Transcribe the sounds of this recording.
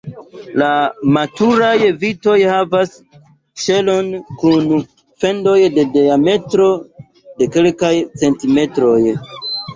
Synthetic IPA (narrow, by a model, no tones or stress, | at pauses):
lamatuɾajvito̞jhavas | ʃe̞lo̞nkun | fe̞ndojde̞deame̞tɾo̞ | de̞kelkajt͡se̞ntime̞tɾo̞j